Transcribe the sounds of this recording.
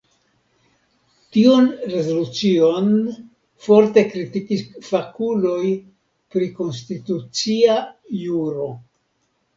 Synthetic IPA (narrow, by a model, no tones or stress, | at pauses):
tionɾe̞zo̞lut͡sio̞n | fo̞ɾte̞kɾitikisfakulo̞j | pɾiko̞ns̬titut͡siajuɾo̞